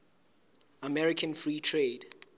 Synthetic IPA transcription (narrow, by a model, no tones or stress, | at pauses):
amɛɹikʰə̃nfɹiːtʰɹeːd